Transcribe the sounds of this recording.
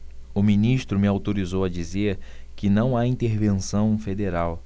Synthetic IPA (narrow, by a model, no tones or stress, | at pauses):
ʊminiʃt̪ɾʊmɪawt̪oɾizowɐd͡ʒizeɾ | kɪnɐ̃w̃aĩnt̪eɾvẽsɐ̃w̃fed̪eɾaw